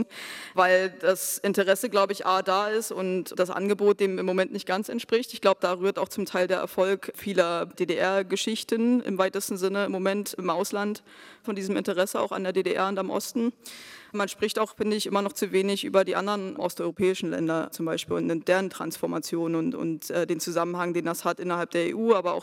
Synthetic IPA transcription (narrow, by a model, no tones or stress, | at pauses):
vaɪld̥asʔɪntəʁɛsəɡlaʊbəɪçʔaːɐdaːɪstʊntd̥asʔa̰nɡəboːt̚d̥eːmɪmːomɛntnɪçt̚ɡ̥ant͡sɛntʃpʁ̥ɪçtɪçɡ̥laʊbəd̥aːʁyːɐtaʊxt͡sʊmtʰaɪldeːɐɛɐfɔlkfiːlɐd̥eːdeʔɛɐɡəʃɪçtənɪ̰mvaɪtəstn̩zɪnəɪmːomɛntɪmʔaʊslant | fɔndiːzəm̩ɪ̰ntəʁɛsəa̰ʊxa̰ndeːɐdeːdeʔɛ̰ɐʊntamʔɔ̰stn̩manʃpʁ̥ɪçtaʊxfɪndɪçʔɪmɐnɔχt͡suveːnɪçʔy̰ːbɐdiːʔa̰ndɐʁənʔɔ̰stɔʏʁopʰɛːɪʃn̩lɛ̰ndɐt͡sʊmbaɪʃpiːlʊ̰ntnɪmd̥eːʁəntʁ̥a̰nsfɔɐmat͡sjoːnənʊnʊ̰ntʔɛːdeːnt͡suzamən̩haŋdeːndashatʔɪnɐhalp̚d̥eːɐḛːʔuːaːbɐa̰ʊx